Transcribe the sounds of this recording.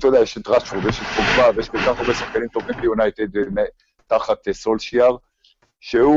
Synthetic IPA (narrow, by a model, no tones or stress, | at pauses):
t̪od̪ɛajeʃet̪ʁaʃuʁdeʃet̪koɡvavejeʃkolkaχaʁbesaχkanimt̪ovimbejunajt̪ed̪me | taχat̪solʃiaʁ | ʃeu